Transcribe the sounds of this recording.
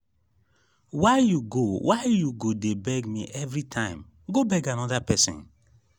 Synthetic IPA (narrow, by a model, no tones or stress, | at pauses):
waɪjuɡowʔaɪjuɡodebɛɡmḭʔɛvɾitʰãɪ̃m | ɡobɛɡanɔdapɛsḭ̃n